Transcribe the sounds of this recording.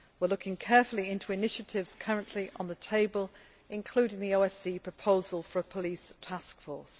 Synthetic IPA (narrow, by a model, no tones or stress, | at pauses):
wɪəlʊkɪ̃ŋkʰɛˑfəliɪ̃ntʰuɪnɪʃətʰɪvz̥kʰʌɹə̃nʔliʔə̃nðətʰeɪbəl | ɪ̃nkʰl̥ʉːɾɪ̃ŋðioʊɛsiːpʰɹ̥əpʰoʊzəlˠfəɹəpʰəliˑstʰaskfɔˑs